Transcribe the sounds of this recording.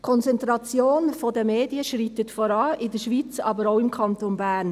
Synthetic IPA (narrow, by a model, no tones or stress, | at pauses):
kʰɔnt͡sɛnt̪ɾɑt͡sjoːnfɔdəmeːdiəʃɾitətfɔɾɑːʔɪdəʃʋiːt͡sɑ̰bəɾoʊɪmkʰɑntonbæːn